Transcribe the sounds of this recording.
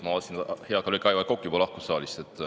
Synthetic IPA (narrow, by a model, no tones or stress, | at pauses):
mɑosinheɑkɑlokːˑɑjvɑkokːˑju̥pɑlɑhku̥ssɑːlʲist̪et̪ːˑ